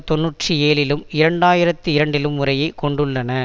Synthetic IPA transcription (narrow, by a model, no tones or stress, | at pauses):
t̪ɔnːuːʈrieːlɪlɯmɪɾɐɳɖaːjɪɾɐt̪ːɯɪɾɐɳɖɪlɯmːʊrɐjɐɪkɔɳɖɯɭːɐnɐ